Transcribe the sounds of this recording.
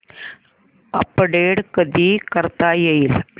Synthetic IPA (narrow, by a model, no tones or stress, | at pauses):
ɐpːɐɽeːɖkɐd̪ikɐɾt̪ːaːjɐjɪl